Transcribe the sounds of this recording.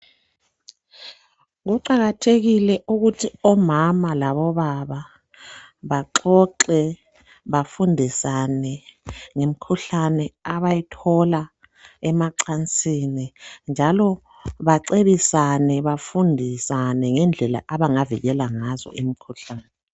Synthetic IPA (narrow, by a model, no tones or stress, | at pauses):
ɣuǃaɣatʰeɣilɛʔuɣutʰiɔmamalaβɔβaβa | βaǃɔǃɛ | βafundʱisanɛŋem̩kʰuɬanɛaβajitʰɔla | ɛmaǀant͡sʼinind͡ʒʱalɔ | βaǀeβisanɛβafundʱisanɛŋɛnd͡ɮʱɛla̰ʔaβaŋaviɣɛlaŋazɔ̰ʔimikʰuɬaːnɛ